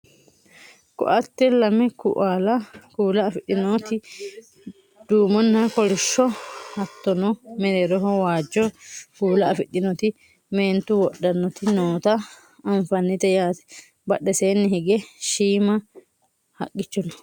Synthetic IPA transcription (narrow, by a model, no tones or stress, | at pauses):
kɔ̰ʔɐt̪ːɛlɐmɛkʊ̰ʔaːlɐkuːlɐːfɪɗːɪnoːt̪ɪ | d̪̥uːmɔnːɐkɔɾɪʃːɔhɐt̪ːɔnɔmɛɾeɾɔɦɔwaːd͡ʒːɔkuːlɐɐfɪɗɪnɔt̪ɪ | meːnt̪ʊwɔɗːɐnːɔt̪ɪnoːt̪ɐ | ɐnfɐnːɪt̪ɛjaːt̪ɛ̥ | bɐɗːɛseːnːɪɦɪɡɛʃiːmɐ | hɐ̰kʼːɪt͡ʃːɔnɔ